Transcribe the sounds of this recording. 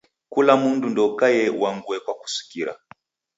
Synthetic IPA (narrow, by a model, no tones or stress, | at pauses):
kulamundundɔkajɛwaŋɡuɛkwaku̥si̥kiɾa̰